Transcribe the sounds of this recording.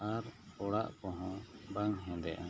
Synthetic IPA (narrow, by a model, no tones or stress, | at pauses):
aɾɔɽaʔkɔ̃ɦɔ̃baŋɦɛ̃d̪ɛʔa